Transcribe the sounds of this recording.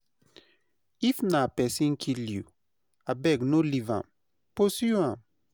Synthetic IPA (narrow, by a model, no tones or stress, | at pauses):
ifnapɛsĩŋkʰilju | abɛɡnolivã̰m | posuãm